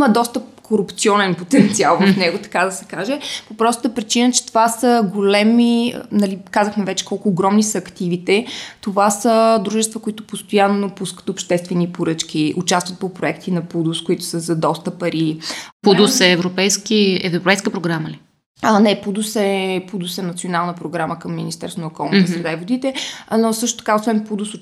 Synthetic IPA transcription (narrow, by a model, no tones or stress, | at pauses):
iməd̪ɔst̪əpkʰoɾupt̪siɔnɛnpot̪ɛnt̪sialˠvɐfnɛɡʊt̪ɐ̥kad̪ɐsɛ̥kaʒɛpopɾɔst̪ʊd̪əpɾit͡ʃinət͡ʃɛ̥t̪ovasəɡolɛmḭnɐlikazəxmɛvɛt͡ʃɛ̥kɔlˠkʊːɡɾɔmnisɐːkt̪ivit̪ɛt̪ovasəd̪ɾuʒɛst̪vəkʊit̪ʊpost̪ojanːopuskə̥t̪opʃt̪ɛst̪vɛnipoɾɤt͡ʃk̟iʊt͡ʃast̪vət̪̚popɾoɛkt̪inɐpud̪ʊskoit̪ʊ̥səzɐd̪ɔst̪əpɐɾipud̪usɛːvɾopɛjskiɛvɾopɛjskəpɾoɡɾaməli | nɛpud̪usɛpud̪ʊsɛnɐt̪sionalˠnəpɾoɡɾaməkəmːinist̪ɛɾst̪vonɐokɔlˠnt̪əszavod̪it̪ɛnosɤʃt̪o̥t̪ɐ̥kaosvɛnpud̪usʊ